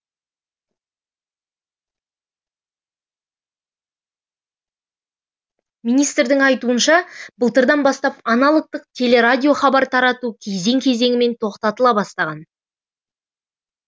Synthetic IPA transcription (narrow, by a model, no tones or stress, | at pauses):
mijnijst̪ɾd̪ɪŋɑjt̪uənʃɑbəlˠt̪əɾd̪ɑnbɑst̪ɑpɑnɑlˠəq̚t̪əq̚t̪ʲʰe̞le̞ɾadʲijo̞χɑbɑɾt̪ʰɑɾɑt̪ukʲʰeze̞ŋkʲʰe̞ze̞ŋʲɪme̞nt̪ʰo̞qt̪ɑt̪əlˠɑbɑst̪ɑʁɑn